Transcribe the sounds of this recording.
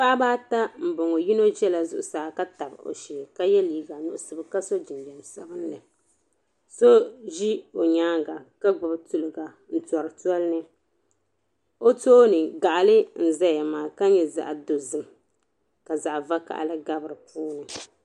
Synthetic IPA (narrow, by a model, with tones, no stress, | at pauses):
pa˦ʔbaː˦ta˦m̩˨bo˨ŋo˨ji˦no˦ʒɛ˦la˨zʊ˦ʔʊ˨saː˨˦ka˦ta˨bo̰˨ʃɛ˨ka˦jɛ˦liː˦ɡa˨nʊ˦ʔʊ˦sɨ˨bɨ˦ka˦so˦d͡ʒɪ˨n˨bɛ˨n˨sa˦bɨ˦n˦nɨ˨ | so˦ʒi˦o˨ɲaː˦ŋɡa˨ka˦ɡ͡bʊ˨btu˨lɨ˨ɡa˨ | n̩˦tɔ˨ɾɨ˨tu˦ɔ˦lnɨ˦ | o˦toː˦nɨ˨ɡa˨ʔa˨lɨ˦n̩˨za˦ja˨maː˨ka˦ɲɛ˦˨za̰˨ʔa˨do˨zɨ˦m | ka˨za˨ʔva˦ka̰˨ʔlɨ˦ɡa˦bɨ˨ɾɨ˨pʰuː˦nɨ˨